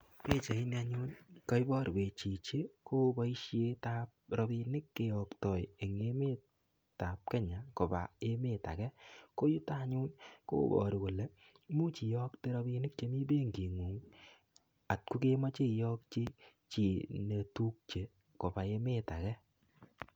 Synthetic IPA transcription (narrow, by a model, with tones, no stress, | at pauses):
pe˦t͡ʃa˨i˦n˦a˧ɲʊ˦nka˦i˦bɔ˦ɾi˨be˨t͡ʃi˨t͡ʃe˦ko˦bɔ˦i˦ʃe˦ta˦p̚ɾɔ˧bi˧nɪ˦kːe˨jɔ˨ktɔ˨je˨ŋe˦me˦ | ta˨p̚kɛ˦ɲa˨ko˨ba̰˨e˦me˦˨ta̰˨kɛ˦ko˦ju˦ta˦˨ɲʊ˦nko̰ː˦bɔ̰˨ɾi˨ko˨le˨ | mu˦t͡ʃi˨jɔ˦kte˦ɾɔ˧bi˧nɪ˦k̚t͡ʃe˦mi˦be˦ŋɡi˨ŋu˨ŋ | a˨t̚ku˦ke˦ma˦t͡ʃe˦˨jɔ˦k̚t͡ʃi˦ | t͡ʃi˨ne˨tu˦k̚t͡ʃe˨ | ko˨ba˨e˦me˦ta˨kɛ˦